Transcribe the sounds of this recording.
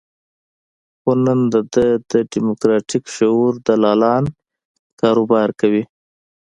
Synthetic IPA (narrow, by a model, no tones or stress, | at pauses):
xonənd̪əd̪əd̪əɖimʊkɾɑʈikʃauɾd̪alɑlɑn | kɑɾobɑɾkawi